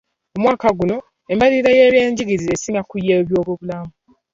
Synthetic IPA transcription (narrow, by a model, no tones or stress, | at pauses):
omwaːkaɡuno̞ | embaliːɾejeːβjeːɲɟiɡiziesiŋakujːeβjo̞ːβoβulamu